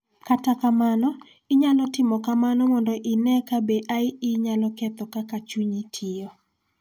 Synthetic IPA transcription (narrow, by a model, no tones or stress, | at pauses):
katakamanɔ | ɪɲalɔtɪmɔkamanɔmɔndɔʔɪnɛkabeʔaɪɪɲalɔkɛt̪ɔkakat͡ʃuɲitʰɪɔ